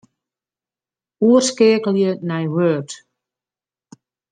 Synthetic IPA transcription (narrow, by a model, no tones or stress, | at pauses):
uərskɪəkəlˠjənɛjwøːrt